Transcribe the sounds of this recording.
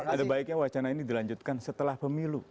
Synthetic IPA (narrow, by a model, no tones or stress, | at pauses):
adabaɪk̚ɲawat͡ʃanainidilaɲd͡ʒut̪̚kansət̪əlahpəmilu